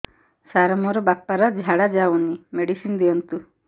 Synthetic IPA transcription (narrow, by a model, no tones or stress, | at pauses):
saɾɔmɔɾɔbapːaɾɔd͡ʒʱaɽad͡ʒaunimeɽisind̪eɔnt̪u